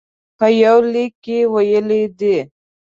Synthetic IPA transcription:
pəjawlikːewajəled̪i

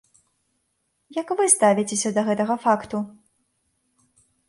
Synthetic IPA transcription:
jɐkvɨst̪avʲit͡sʲesʲɐd̪ɐɣɛt̪ɐɣɐfakt̪u

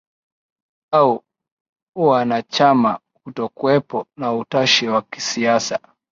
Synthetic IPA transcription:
au | uwanat͡ʃama | kutɔkuwɛpɔnautaʃiwaki̥siasa

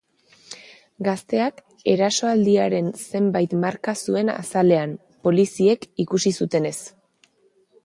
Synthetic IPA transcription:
ɡast̪e̞ak | e̞ɾaso̞ald̪iaɾe̞nse̞mbajt̪maɾkasue̞na̰sale̞am | po̞lisie̞kikusisut̪e̞ne̞s

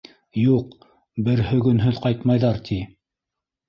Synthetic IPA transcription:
juq | bɘɾhɵ̆ɡɵ̆nɦɵðqɑjt̪mɑjðɑɾt̪ʰi

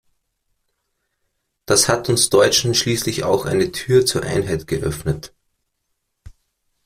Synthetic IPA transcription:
d̥ashatʊnsd̥ɔʏt͡ʃn̩ʃliːslɪça̰ʊxʔa̰ɪnətʰyːɐt͡suːɐʔa̰ɪnɦaɪtɡ̥əʔœ̰fnət

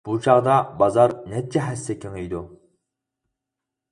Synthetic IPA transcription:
b̥ut͡ʃʰɑʁd̪ɑbɑzɑɾnɛt̪̚t͡ʃʰɛɦɛsːɛkʰʲeŋejd̪u

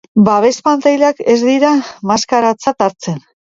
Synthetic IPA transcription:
baβe̞spant͡s̪ajleake̞zd̪iɾamaskaɾat͡sat̪aɾt͡se̞n

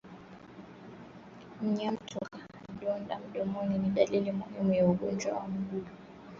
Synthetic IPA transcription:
m̩ɲam̩tʰɔka | ɗɔndam̩ɗɔmɔniniɗalilimuhimujauɡɔnd͡ʒwa̰wam̩ɡuɗɔ

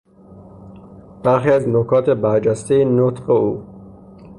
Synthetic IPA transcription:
b̥æɾxiæznokʰɑːt̪ebæɾd͡ʒæst̪inot̪qeuː

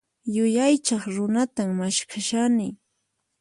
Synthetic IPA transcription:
jʊjajt͡ʃɑχɾʊnat̪ammaʃkʰaʃanɪ

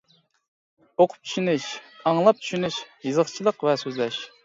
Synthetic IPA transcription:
oqʰʊ̥p̚t͡ʃʰy̥ʃynɪʃɑŋlˠɑp̚t͡ʃʰy̥ʃynyʃjɨzəχt͡ʃʰilˠəqvɛsøzlɛʃ

